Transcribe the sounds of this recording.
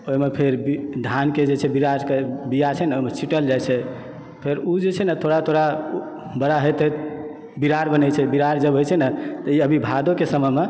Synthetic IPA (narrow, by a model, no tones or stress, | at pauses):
oɦimepʰeɾbid̪ʱanked͡ʒet͡ʃʰɛbiɾaɾkebijat͡ʃʰɛnɛoimet͡ʃʰiʈəld͡ʒajt͡ʃʰɛ | pʰeɾud͡ʒet͡ʃʰɛnət̪ʰoɽat̪ʰoɽa | bəɽaɦəjt̪ɛ | biɾaɾbənɛt͡ʃʰɛbiɾaɾd͡ʒəbɦojt͡ʃʰɛnɛt̪əiəbʱibʱad̪okesəməɦme